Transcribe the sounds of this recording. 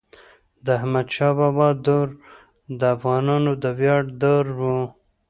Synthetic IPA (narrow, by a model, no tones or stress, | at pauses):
d̪əhmad̪ʃɑbɑbɑd̪oɾ | d̪əafɣɑnɑnod̪əwjɑɖd̪oɾwu